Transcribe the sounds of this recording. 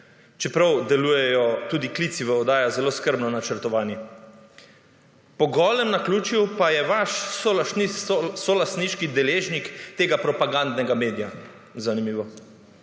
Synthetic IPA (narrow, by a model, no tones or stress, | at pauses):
t͡ʃɛpɾawd̪ɛluːjɛjɔt̪uːd̪ikliːt̪siʋɛɔd̪aːjazɛloːskəɾbnɔnat͡ʃəɾt̪ɔʋaːnjɛ | pɔɡɔːlɛmnakluːt͡ʃiwpajɛʋaʃsolasnisɔlast̪niʃkid̪ɛleːʒnikt̪eːɡapɾɔpaɡand̪nɛɡameːd̪ija | zanimiːʋɔ